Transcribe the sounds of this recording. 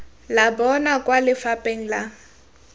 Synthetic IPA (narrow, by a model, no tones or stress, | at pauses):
labɔnakʼwalɪfapʼeŋ̩la